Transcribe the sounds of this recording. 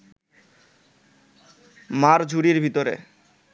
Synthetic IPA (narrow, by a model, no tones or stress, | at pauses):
maɾd͡ʑʱuɾiɾbʱit̪oɾḛ